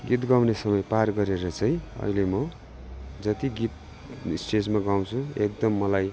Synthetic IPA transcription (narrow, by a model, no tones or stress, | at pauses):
ɡit̪ɡaw̃nesʌmʌjparɡʌɾeɾʌt͡sʌĩʌ̰ɦilemʌ | d͡zʌt̪iɡit̪̚ | sʈed͡zmaɡaw̃t͡sʰuek̚d̪ʌmːʌlaj